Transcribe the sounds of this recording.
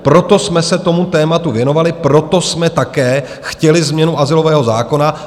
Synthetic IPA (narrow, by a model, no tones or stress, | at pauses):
pɾot̪o̞smɛsɛt̪o̞mut̪ɛːmat̪uvjɛno̞valɪpɾo̞t̪o̞smɛt̪akɛː | xcɛlɪzmɲɛnuʔazɪlo̞vɛːɦo̞zaːko̞na